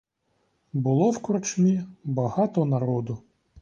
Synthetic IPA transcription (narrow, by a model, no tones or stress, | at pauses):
bʊlˠɔwkɔɾt͡ʃmʲibɐɦɑt̪ɔnɐɾɔd̪ʊ